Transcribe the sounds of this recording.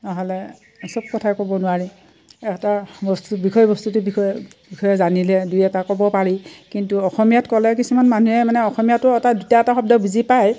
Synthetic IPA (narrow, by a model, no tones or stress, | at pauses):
naɦɔlɛ | sɔb̚kɔtʰakɔbɔnʊwaɹi | ɛktabɔstubikʰɔjbɔstutʊbiɔ | bixʰɔjɛzanilɛdujɛtakɔbɔpaɹikintuɔxɔmijatkɔlɛkisumanmanuɛmanɛɔxɔmijatʊɛtadutaɛtaxɔb̚dɔbuzipaj